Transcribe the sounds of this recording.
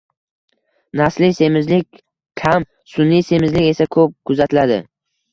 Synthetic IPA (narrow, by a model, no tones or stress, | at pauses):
naslɪse̞mɪzlɪk̚ʲ | kʲʰam | sʊnːijse̞mɪzlɪkʲe̞sakʰɵp̚kʰʊzat̪ʰɪlad̪ɪ̰